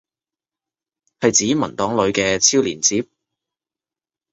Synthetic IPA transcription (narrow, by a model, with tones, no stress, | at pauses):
hɐ˨jt͡siː˨˥mɐ˨˩nt̪ɔː˨˥ŋlɵ˨˧ɥkɛː˧t͡sʰiː˥wliː˨˩nt͡siː˨˥p̚